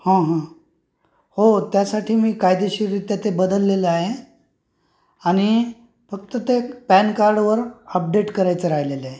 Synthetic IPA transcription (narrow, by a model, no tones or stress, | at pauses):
hãɦã | hot̪jasaʈʰiːmiːkajd̪eɕiːɾit̪jat̪ebəd̪əlːeleaɦe | aɽ̃i | fək̚t̪ət̪epænkaɾɖʋəɾəp̚ɖeʈkəɾajt͡səɾaɦleleaɦe